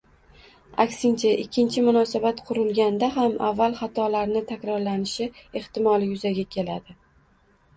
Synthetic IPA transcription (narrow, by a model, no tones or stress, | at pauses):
a̰kʲsɪnt͡ʃʰaʔɪkʲʰːɪnt͡ʃʰɪmʊnɒsabat̪qʰʊɾɪlɡʲand̪aɦamavːalˠχat̪ʰɒlaɾnɪt̪ʰakʲɾɒɾlanɪʃɪe̞ht̪ɪmɒlˠɪjʊzaɡʲakʲʰe̞lad̪ɪ